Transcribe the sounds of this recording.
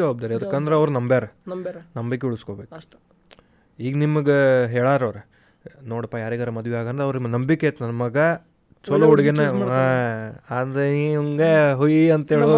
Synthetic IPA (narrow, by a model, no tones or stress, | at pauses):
ɐʋaːb̚d̪aːɾiɐd̪ɐkːɐnd̪ɐɾeɐʋɐɾunɐmbjaɾenɐmbikːeuɭuskoːbeːku | iːɡnimːɐɡeɦeːɭaːɾɐʋɾe | noːɽɐpːajaːɾiːɡaɾɐmɐd̪ʋiaːɡɐnd̪ɾeɐʋɾunimɐnɐmbikːet̪nɐnmɐɡɐ | t͡ʃɔlɐuɽiɡenɐaaːd̪ɾeuŋɡeɦujiɐnt̪eːɭu